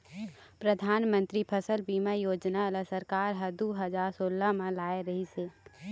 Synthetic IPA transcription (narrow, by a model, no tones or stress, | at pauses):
pɾəd̪ʱaːnmə̃nt̪ɾipʰəsəlbiːmajoːd͡ʒnaləsəɾkaːɾɦəd̪uɦəd͡ʒaːɾsoːlamãlaːeɾəɦiseː